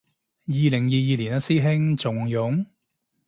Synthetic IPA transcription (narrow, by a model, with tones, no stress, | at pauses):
jiː˨˧lɪ˨˩ŋjiː˨˧jiː˨˧liː˨˩nɐ˧siː˥ɦɪ˥ŋt͡sʊ˨ŋjʊ˨˥ŋ